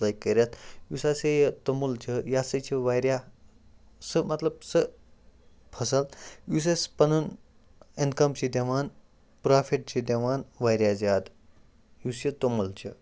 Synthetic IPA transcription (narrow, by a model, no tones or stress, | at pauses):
lajkːəɾʲjat̪jusasejət̪omult͡ɕʰəjasət͡ɕʰiʋajɾʲja | səmɐt̪ləb̚sə | pʰɐsəljus̬espɐnun | inkɐmt͡ɕid̪ʲeʋan | pɾafʰiʈ̚t͡ɕid̪eʋanʋajɾʲjad͡zad̪ | jusjət̪omult͡ɕə